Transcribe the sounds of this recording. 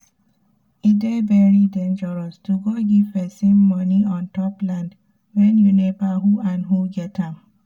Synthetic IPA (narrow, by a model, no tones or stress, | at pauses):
idebɛɹidɛ̃nd͡ʒəɹɔstuɡoɡivɛsĩmːɔniɔ̃ntɔplãnd | wɛ̃njunebaɦuãnɦuɡɛtãm